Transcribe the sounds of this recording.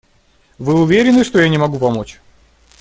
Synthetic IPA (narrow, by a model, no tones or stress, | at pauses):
vɨʊvʲeɾʲɪnːɨʂt̪ojanʲɪmɐɡupɐmot͡ɕ